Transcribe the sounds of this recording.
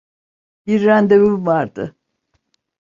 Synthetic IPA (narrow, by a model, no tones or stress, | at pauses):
biɾːænd̪ebymvaɾd̪ɯ